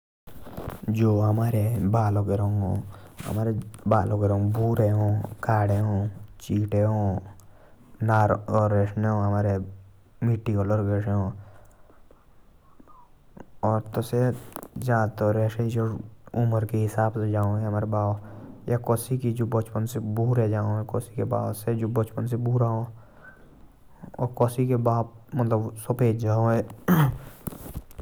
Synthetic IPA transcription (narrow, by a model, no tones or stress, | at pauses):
d͡ʒoːɦɐmaːɾebaːloɡeɾõŋɡõːɐ̰maːɾebaːloɡeɾõŋɡbuːɾeɦõːkaːɽeɦõːt͡ʃiːʈeɦõː | naːɾɔːɾːeːʃneɦõɦɐmaːɾe | miʈːikoləɾɡeːʃeɦõː | ɔːɾt̪osed͡ʒaːt̪ɔɾeːʃed͡ʒoʊməɾkeɦɪsaːbsed͡ʒaːõeɦɐmaːɾebaːʋjekɔːsikid͡ʒobət͡ʃpənsebuːɾɛd͡ʒaːõɦɛkɔːsikeba̰ːwsed͡ʒoːbət͡ʃpənsebuːɾaːɦõː | ɔ̰ːɾkɔːsikebaːp̚mət̪ləbsopeːd͡ʒd͡ʒaːõeː